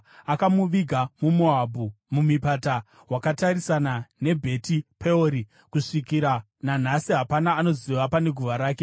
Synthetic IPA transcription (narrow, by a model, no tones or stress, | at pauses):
akamuʋiɡʱamumoabʱu | mumipata | wakataɾisanane̞bʱe̞tipʰeoɾi | kuʂikiɾa | nan̤asiɦapanaːno̞ziʋapane̞ɡʱuʋaɾaːke